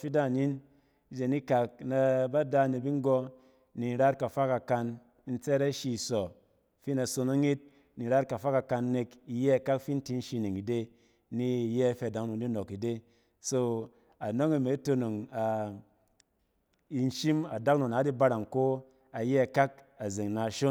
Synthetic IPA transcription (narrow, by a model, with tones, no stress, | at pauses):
fi˦da˦˨ni˦n˦ | d͡ʒe˨ni˦ka˨k̚na˧ba˦da˧˨ne˨bi˦ŋ˦ɡɔ˧ | ni˨ɾa˦tka˨fa˦ka˨ka˧n˦ | n̩˦t͡sɛ˦ɾa˦ʃi˧˨sɔ˨ | fi˦na˨so˧no˦ŋi˦t̚ | ni˨ɾa˦t̚ka˨fa˦ka˨ka˧nːe˧ki˧jɛ˦a˨ka˦kfi˦n̩˦ti˦n̩˦ʃi˧ni˨ŋi˨de˦ | ni˦˨jɛ˦fe˧a˨da˦kno˨di˦no˨ki˨de˦ | so˦ | a˨no˦ŋi˨me˨˦to˧no˨ŋa˨ | i˧n̩˦ʃi˦ma˨da˦k̚no˨na˨˦di˦ba˧ɾa˨ŋko˦ | a˨jɛ˦a˨ka˦k̚ | a˨ze˨ŋna˨ʃo˦n